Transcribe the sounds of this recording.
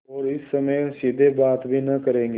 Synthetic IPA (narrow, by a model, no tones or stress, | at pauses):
ɔːɾɪsːəmə̃jsɪd̪ʱeːbaːt̪bʱiːnəkəɾẽːŋɡe